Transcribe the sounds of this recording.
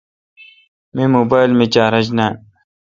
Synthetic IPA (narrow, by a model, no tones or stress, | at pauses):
mimoːbaːjlmit͡ɕaːɾɐd͡ʑnaːn